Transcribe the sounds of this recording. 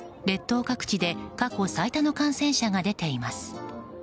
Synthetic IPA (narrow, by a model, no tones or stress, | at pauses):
ɾe̞t̪ːo̞ːkakɯ̟̥t͡ɕid̪e̞kako̞sait̪ano̞kãɰ̃sẽ̞ɰ̃ɕaɡad̪e̞t̪e̞imasɨ̥